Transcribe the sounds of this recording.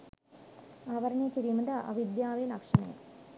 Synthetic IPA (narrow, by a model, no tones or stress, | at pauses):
ɐʋɐɾɐnekiɾimɐd̪ɐʔɐ̰ʋid̪jaːʋeːnɐkʂɐnḛ